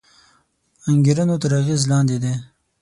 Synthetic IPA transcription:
aŋɡiɾənot̪əɾaɣezlɑːnd̪ed̪e

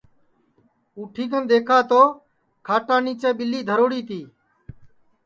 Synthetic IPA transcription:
uːʈʰiːkənd̪eːkʰaːt̪oː | kʰaːʈãːniːt͡ʃeːɓɪlːiːd̪ʱəɾoːɽiːt̪iː

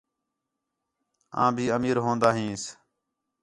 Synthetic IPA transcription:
ã̰ːbʱiːəmiːɾɦõːnd̪aːɦĩːs

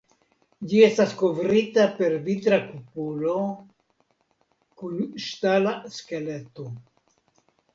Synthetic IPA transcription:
d͡ʒie̞stasko̞vɾitape̞ɾvitɾakupulo̞ | kunʃtalaske̞le̞to

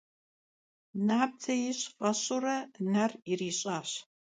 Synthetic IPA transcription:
naːp̚tʰɐjɪɕqʼɐɕʼʊrɐnɐrɪriːɕʼaːɕ

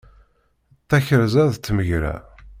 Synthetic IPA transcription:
θæçəɾzæðt͡sːməʝɾæ̰

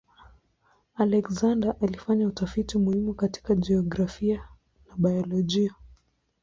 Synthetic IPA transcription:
alɛkzandaʔalifaɲautafitimuhimukati̥kad͡ʒiɔɡɾafia | naɓajɔlɔʄia

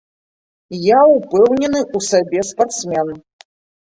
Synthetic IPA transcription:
jaupɛwnʲɛnɨusabʲɛspart̪smʲɛn

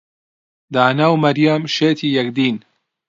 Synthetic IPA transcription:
d̪aːnaːwmɐɾjaːmʃeːt̪ʰiːjɐkd̪iːn

